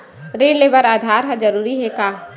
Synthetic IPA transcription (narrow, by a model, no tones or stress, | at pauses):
ɾeːɖleːbəɾaːd̪ʱaːɾɦad͡ʒɐɾuːɾiɦɛkaː